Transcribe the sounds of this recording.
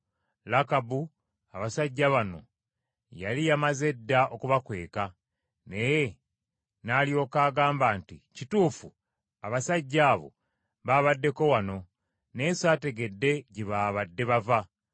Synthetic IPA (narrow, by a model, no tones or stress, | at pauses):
lakabu | aβasaɟːaβano̞̰ | jalijamaze̞dːao̞kuβakwe̞̰ːka | ne̞je | naːljo̞ːkaːɡaːmbaːnticituːfu | aβasaɟːaːβo̞̰ | βaːβadːe̞ko̞wano̞ | ne̞ːsaːte̞ɡe̞dːe̞ɟiβaːβadːe̞βava